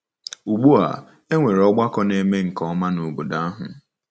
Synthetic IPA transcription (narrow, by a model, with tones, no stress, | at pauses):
u˨ɡ͡bu˦a̰˨ | e˦ŋʷe˨ɾɔ˦ɡ͡ba˦kɔ˦ne˨me˦ŋ̩˨kɔ˦ma˦nu˨bu˨da˦a˦ɦʊ̰˨